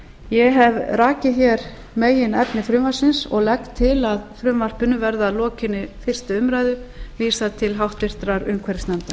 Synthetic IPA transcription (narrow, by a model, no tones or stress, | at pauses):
jɛɦɛvraːcɪçɛɾ | meːjɪnɛpnɪfɾʏːmar̥sɪnsɔɣlɛkt̪ʰːɪlaðfɾʏmvar̥pʏnʏvɛɾðalɔːcɪnːɪfɪr̥st̪ʏʏmɾaːjðʏviːsat̪ʰɪlɦawht̪vɪr̥t̪ɾaɾʏmkʰvɛɾɪsnɛmt̪a